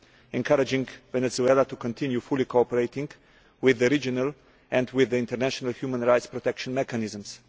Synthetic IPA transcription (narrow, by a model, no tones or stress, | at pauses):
ɛ̃nkʰaɾɪd͡ʒɪ̃ŋɡvɛnɛzuɛlat̪ukɔ̃nt̪ʰɪ̃njufʊlikʰoɔpəɾeɪtɪ̃ŋɡ | wɪðəɾid͡ʒɔnəlˠ | ɛ̃ndwɪðːəɪ̃ntəɾnæʃɔnəlˠhjumə̃nɹaɪtspɾɔt̪ɛkʃə̃nmɛkanɪzə̃ms